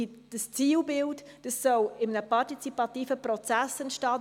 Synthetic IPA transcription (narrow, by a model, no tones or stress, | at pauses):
id̥əst͡siːlbɪltd̥əsːɔwɪmənəpɑɾtit͡sipɑtiːfəpɾɔt͡sæsɛntʃtɑː